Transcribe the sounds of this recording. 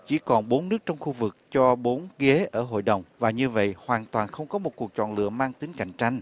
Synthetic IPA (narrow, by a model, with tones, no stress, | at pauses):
t͡ɕi˧˩kɔ˨˩nɓo˨˦nːɨ˦˥k̚t͡ɕɔ˧wŋ͡mxu˧vɨ˨˩k̚t͡ɕɔ˧ɓo˨˦nɣe˨˦ʔəː˧˩ɦo̰˧˨jɗə˨˩wŋ͡mvaː˨˩ɲɨ˧və̰˧˨jhwaː˨˩nt̪waː˨˩nxə˧wŋ͡mkɔ˨˦mo˨˩t̚ku˨˩ək̚t͡ɕɔ̰˧˨nlɨ̰˧˨əmaː˧ŋt̪i˨˦ŋka̰˧˨jŋ̟t͡ɕa˧jŋ̟